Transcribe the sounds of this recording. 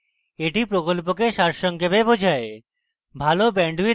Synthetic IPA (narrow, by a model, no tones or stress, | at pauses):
eʈipɾokolpokeʃaɾʃɔŋkebebod͡ʑʱae | bʱalobɛɳɖuwi